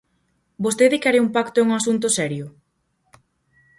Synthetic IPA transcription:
bost̪eðɪkɛɾeumpakt̪oɛuŋasunt̪̬ʊsɛɾjʊ

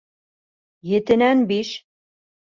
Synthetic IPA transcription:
jɘ̆t̪ɘ̆nænbiʃ

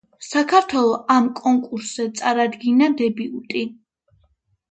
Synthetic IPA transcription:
sakʰaɾt̪ʰwɛlˠɔʔamkʼɔŋkʼuɾszɛt̪sʼaɾad̪ɡinad̪ɛbiut̪ʼi

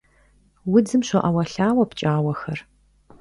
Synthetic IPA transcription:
wʊd͡zɨmɕʷɔʔɐwɐɬaːwɐpt͡ʃʼaːwɐxɐr

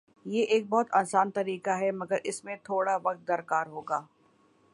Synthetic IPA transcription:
jeːʔeːk̚bɔɦʊt̪aːsaːnt̪ɐɾiːkaɦɛmɐɡəɾʔɪsmẽt̪ʰoːɽaʋɐq̚t̪̚d̪ɐɾkaːɾɦoːɡaː

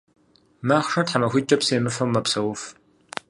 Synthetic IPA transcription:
maːχʷʂɐtħamɐxʷit͡ʃʼɐpseːmɨfɐwmɐpsɐwʊf

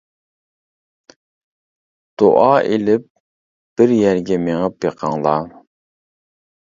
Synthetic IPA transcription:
d̪̥o̰ʔɑelɪp̚ | b̥ɪɾjæɾɡʲɛmeŋəpjeqʰɑŋlˠɑ

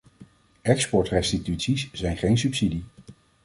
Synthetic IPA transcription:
ɛkspɔɹtrɛstitytsisz̥ɛjnχejnsypsidi

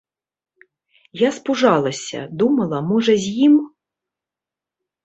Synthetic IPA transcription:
jaspuʐalˠɐsʲɐ̰d̪umɐlˠɐmɔʐɐzʲjim

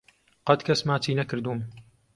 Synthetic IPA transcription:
qɐd̪kʰɐsmaːt̪ʰiːnɐkɨɾd̪uːm

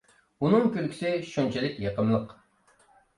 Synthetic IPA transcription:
unɨŋkʲølkʲi̥sɪʃunt͡ʃʰilɪkʲjeqəmlˠəq

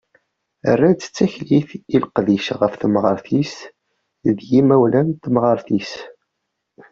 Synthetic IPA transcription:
ərːæt͡sːə̥t͡sːæçliθilqðiʃʁəfθəmʁəɾˤθis | ðjimæwlænt̪mʁəɾˤθis

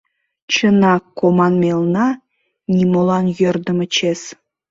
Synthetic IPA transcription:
t͡ɕənɑkːomɑnmelnɑ | nʲimolɑnjørd̪əmə̆t͡ɕes

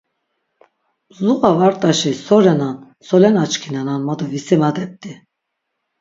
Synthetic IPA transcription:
zuɣavaɾt̪ʼaʃisɔɾɛnan | sɔlɛnat͡ʃkʰinɛnanmɔd̪ɔvisɛmad̪ɛp̚t̪ʼi

